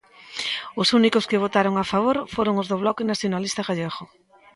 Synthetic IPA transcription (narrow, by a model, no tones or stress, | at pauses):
ʊsunikʊskɪβ̞ot̪aɾoŋafaβ̞oɾfoɾoŋʊzðʊβ̞lɔkɪnaθjonalist̪aɣaʎeɣʊ